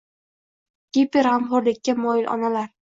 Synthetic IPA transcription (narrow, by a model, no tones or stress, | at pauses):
ɡ̥ʲepeɾamχʊɾlɪkʲːamɒjɪlʔɒ̰nalaɾ